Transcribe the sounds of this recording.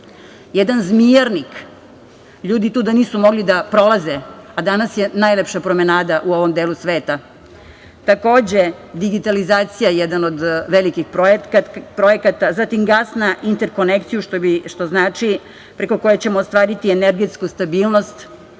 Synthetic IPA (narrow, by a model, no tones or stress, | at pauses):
jɛd̪anzmijaɾnik | ʎuːd̪it̪uːd̪aniːsumo̞ɡlid̪apɾo̞lazead̪anasje̞najlepʃapɾo̞menaːd̪aʔuo̞ʋo̞md̪eːlusʋeːt̪a | t̪ako̞ːd͡ʑe | d̪iɡit̪alizaːt̪sijajɛd̪anod̪ʋelikixpopɾojekat̪azat̪imɡaːsnaʔint̪eɾko̞nekt̪ijuʃt̪obiʃt̪o̞znaːt͡ʂi | pɾe̞ko̞ko̞jet͡ɕe̞moːst̪ʋaːɾit̪ieneɾɡet̪skust̪abiːlˠno̞st̪